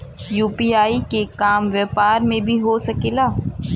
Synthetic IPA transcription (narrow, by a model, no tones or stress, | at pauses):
juːpiːaːikekaːmʋɛːpaːɾmẽbʱiɦosɐkilaː